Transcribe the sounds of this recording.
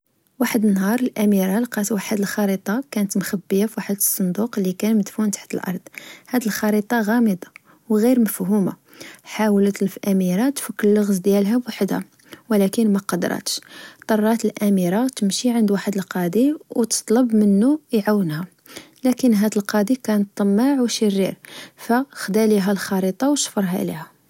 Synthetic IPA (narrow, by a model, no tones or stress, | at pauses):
waħəd̪ənːɦɑɾˤəlʔæmiɾɑlqɑwaħəd̪əlxɑɾit̪ˤɑkænət̪mxæbːəjafiwaħəd̪əsˤːʊnd̪uqlikænməd̪funt̪ḁħt̪əlʔɑ̰ɾˤd̪ˤhæd̪əlxɑɾit̪ˤɑɣɑməd̪ɑ | wɣiɾməfhuma̰ | ħawlət̪lfʔæmiɾɑt̪fəkːəlːəɣzd̪jælɦæbwaħəd̪hæ̰ | wlækənmæqɑd̪̰ɾˤɑ̰t̪ə̥ʃt̪ˤːɑrˤːɑt̪əlʔæmiɾɑt̪əmʃiʕənd̪waħəd̪əlqɑd̪iwt̪ə̥t̪ˤləbmənːujʕawːənhæ | lækənɦæd̪əlqɑd̪ikænət̪ˤːɑmːɑʕwʃərːiɾfæxd̪æliɦælxɑɾit̪ˤɑwʃfəɾˤɦæ̰lḭhæ